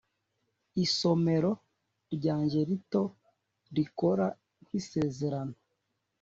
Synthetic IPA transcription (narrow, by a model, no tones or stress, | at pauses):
iso̞me̞ɾo̞ | ɾɟaːɲʒe̞ɾito̞ | ɾiko̞ɾa | ŋwise̞ːze̞ɾano